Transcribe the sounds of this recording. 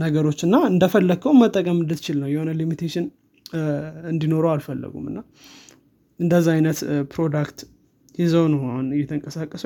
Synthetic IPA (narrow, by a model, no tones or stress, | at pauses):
nəɡəɾo̞t͡ʃːɨnːaɨnd̪əfəlːəɡkʰəwmət̪ʼːəkʼəmɨnd̪ɨt̪ɪt͡ʃɪlnəwjɛho̞nəlimit̪ʰeʃɪn | ɨnd̪ino̞ɾowalfəlːə̰ɡṵmɨ̰nːa | ʔɨnd̪əzːaajnət̪pʰɾo̞d̪akt̪ | jɪzəwnɨhaunɨjɛt̪ʰəŋkʼəsakʼːəsə